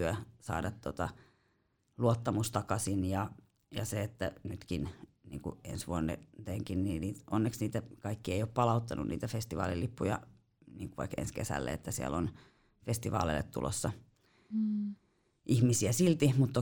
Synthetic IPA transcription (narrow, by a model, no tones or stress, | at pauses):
yøsɑ̰ːdɑt̪t̪ot̪ɑ | luot̪ːɑmust̪ɑkɑsinjɑ | jɑseet̪ːænyt̪kinnḭːŋkuḛnsʋuonːḛt̪eŋkinniːniːt̪onːeksniːt̪ækɑikːieijoppɑlɑut̪ːɑnunniːt̪æfest̪iʋɑ̰ːlilːipːujɑ̰ | niːŋkuʋɑ̰ikḛnskesæ̰lːḛḛt̪ːæsiæ̰lːon | fest̪iʋɑ̰ːlḛilːḛt̪t̪ṵlʔo̰sːɑ | ʔihmisiæsilt̪imut̪ːo